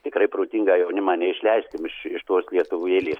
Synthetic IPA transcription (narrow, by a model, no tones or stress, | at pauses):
t̪ʲɪkɾɐɪpɾoːt̪ʲiŋɡɑːjɛʊnʲɪmɑːnʲɛɪʃʲlʲɛɪsʲtʲɪmɪʃɪʃt̪oːslʲiɛt̪ʊʋuːeːlʲeːs